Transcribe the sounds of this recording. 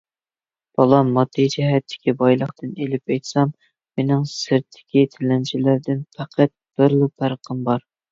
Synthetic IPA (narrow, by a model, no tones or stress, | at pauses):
b̥ɑlˠɑmɑd̪ɨd͡ʒɛɦɛt̪ʰːɪ̥kʲibɑjlˠəχt̪ʰɨnelɪpɛjt̪sɑm | menɪŋsɪɾt̪ʰːɪ̥kʲit̪ʰɪlɛnt͡ʃʰɪlæɾd̪ɪnfʰæqʰæt̪̚b̥ɪɾlˠupʰæɾqʰəmbɑɾ